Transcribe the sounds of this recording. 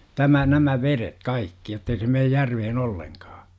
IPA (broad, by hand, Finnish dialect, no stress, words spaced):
tæmæ næmæ ʋeret kɑikːi jotːei se meːj jærʋehen olːeŋkɑː